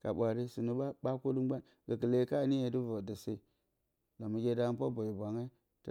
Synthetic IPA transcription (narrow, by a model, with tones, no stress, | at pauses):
ka˨ɓʷa˨ɾi˦su˨nu˦ba˦ko˦lu˦ɡ͡ba˦n | ɡə˨kə˨le˨˦ka˦˨ni˦je˨du˦vo˨də˨si˦˨ | la˨mu˨ɡʲe˦da˦pa˦bo˨ji˨bʷa˨ŋa˦ | t